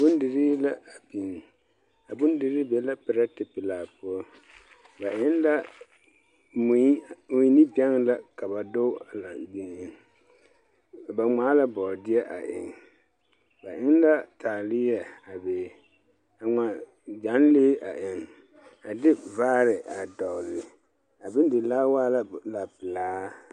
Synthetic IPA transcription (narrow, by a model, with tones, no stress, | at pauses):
bʊ˦ndɪ˨ɾiː˦la˦a˨pi˨n˨ | a˨bʊ˦ndɪ˨ɾi˦be˨˦la˦pɪ˨ɾa˦tɪ˨pɪ˨laː˨pʊ˦ɔ˦ | ba˨ʔɪ˦n˦la˦ | m˨˦mʊ˨jni˦bɛ˦ŋla˦ka˨ba˨do˦a˨la˨bi˨ni˨˦ | ba˨ŋ͡maː˨˦la˦bɔ˨dɪ˦ɛ˦ʔa̰˨ʔɪ̰˨ŋ | ba˨ʔɪ˦n˦la˦tʰaː˨lɪ˦jɛ˨a˨beː˨˦ | a˨ŋa˨ | d͡ʒa˨˦n˦leː˦ʔa˨ʔɪ˨ŋ | a˨dɪ˦vaː˦ɾɪ˨ʔa˨dɔ˨lɪ˨ | a˨bɪ˦n˦dɪ˨laː˦waː˦la˦la˨pɪ˨laː˦